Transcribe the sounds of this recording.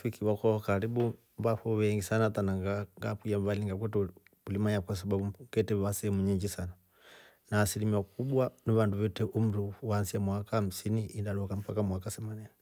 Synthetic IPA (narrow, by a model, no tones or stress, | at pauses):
fikiwakɔhɔkaɾiɓu | mbafɔwɛŋɡisanatanaŋɡaŋɡapujambaliŋɡak̬ɛtɛ | ulimaɲjakwas̬ababukɛtɛβasɛɛmuɲiɲd͡ʒisana | naːsilimiakuɓwaniβanduβɛtɛʔum̩ɾuwansiamwakaham̩siniʔindalɔkam̩pakamwakasɛmanɛni